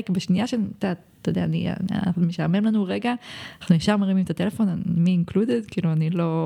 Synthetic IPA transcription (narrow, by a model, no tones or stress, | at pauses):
kbeʃnijaʃet̪atː | od̪eaːnḭna̰aχnumeʃaːme̞mlanuʁeɡaaaχnujiʃaʁmaʁimimet̪at̪elefo̞namiːnkludedkiːluanilo̞